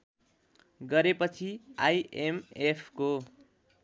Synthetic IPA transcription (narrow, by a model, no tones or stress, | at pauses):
ɡʌɾepʌt͡sʰiajemepʰko